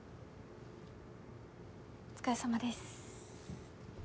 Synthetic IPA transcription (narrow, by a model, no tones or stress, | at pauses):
ɯt͡sɨ̥kaesamad̪e̞sɨ̥